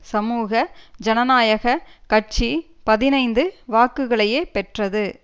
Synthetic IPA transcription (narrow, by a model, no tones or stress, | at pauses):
sɐmuːɣɐd͡ʒɐnɐnaːjɐɣɐkɐʈ̚t͡ʃi | pɐðɪnɐɪnd̪ɯʋaːkɯɣɐɭɐjeːpɛʈrɐðɯ